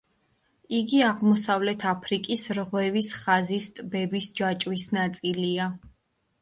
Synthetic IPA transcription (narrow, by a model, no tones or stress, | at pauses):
iɡiaʁmɔsavlɛt̪ʰapʰɾikʼisɾʁwɛvisχazist̪ʼbɛbisd͡ʒat͡ʃʼwisnat̪sʼilia